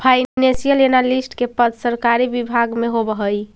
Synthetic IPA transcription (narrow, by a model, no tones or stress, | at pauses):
pʰajnesijəlenalisʈkepəd̪səɾkaɾibibʱaɡmeɦobəɦəj